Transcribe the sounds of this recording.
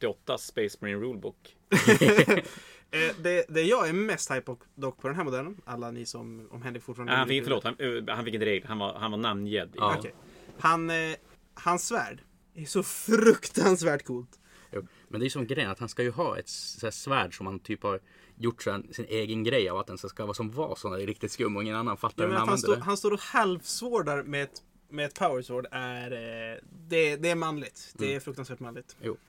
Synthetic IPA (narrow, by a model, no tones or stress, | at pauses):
t̪ːɪɔt̪ːaspɛɪsmɔɪnɾuːlbuk | d̪ɛd̪ɛːjɑːæɾmɛst̪hajpɔ | d̪ɔkːpʰɔd̪ɛnɦæːmʊd̪ælːənʔalːanisɔmɔ̰mɦɛnd̪əɾfʊʈfɑːɳnhanfɪfœɭoːt̪hahanɪkːɪnəɾeːɡləhana̰hanvanamnjɛd̪ːɑːɔkʰɛjhan | hansːvæ̰ːɖ | æʂɔfɾɵkt̪ansvæːʈkʰuːlt̪ | juː | mɛnd̪ɛæjɵsɔmɛɡɾɛjənat̪hanskajɵɦɑːʔɛ̰t̪æːʂvæːɖʂɔmhant̪ʰyːphaɾ | jʊʈːsɛnsɪnʔeːɡənɡɾɛjːavat̪d̪ɛnsskavɑːsɔmvɑ̰ːsɔnɾɪk̚t̪ɪt̪skɵmːɔɪŋːənanːanfat̪ːaɾɛahansoːɦanst̪oːɾɔhɛlvsvoːɖaɾmɛt̪ | mɛːt̪pʰaʊəɾsvoːɖæɾ | d̪ɛd̪ɛæɾmanlɪɡt̪ɛæɾfɾɵkt̪ansvæːʈmanlɪɡ̚t̪juː